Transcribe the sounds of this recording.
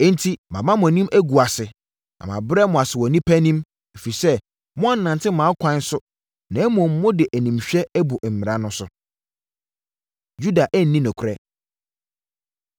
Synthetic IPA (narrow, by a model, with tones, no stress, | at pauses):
ɛ˦n̩˦tʰi˦mã˨mã˦mʊ̃˨æ˨nĩ˦mʔæ˦ɡu˨a˨sɪ˨ | nã̰˨mã̰˨bɾɛ˦mʊ̃˨a˨sɪ˨wɔ˨nĩ˦pʰæ˦nĩ˦m | e˨fi˨sɛ˦ | mʊ̃˦a˦˨n˦nã˨ntʰɪ˦mãː˨˦kʰʷã˦n˦sʊ˦ | nã˨ɛ˦mɔ̃˨m̩ː˦ʊ̃˦dɪ˨ʔæ˨nĩ˨mɕᶣɛ˦bʊ˨m̩˨m̃˨ɾa˦nʊ̃˦sʊ˦ | ju˦da˨ʔæ˦n̩˨nːĩ˦nʊ̃˨kʷʰʊ˨ɾɛ˦